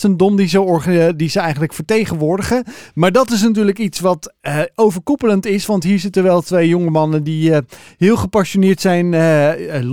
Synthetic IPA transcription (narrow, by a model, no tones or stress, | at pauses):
təndɔmdizəwɔɹχdizəɛjχəntləkfəɹtejχənʋʊːɹdəχəmaːɹdɑtɪs̬nat̬yːɹləkitsʋɑtowvəɹkupələntɪsʋɑntɦiːɹsitəʋɛlˠtʋejjoŋəmɑnəndiɦɪːlˠχəpɑʃonɪːɹtsɛjn